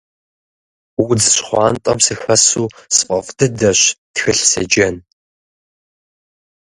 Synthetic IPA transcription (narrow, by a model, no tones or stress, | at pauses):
wud͡zɕχʷɑːntʼɐmsixɐsuːsɨ̥qʼɐfdɨdɐɕtxɨɬsɐ̰d͡ʒɐn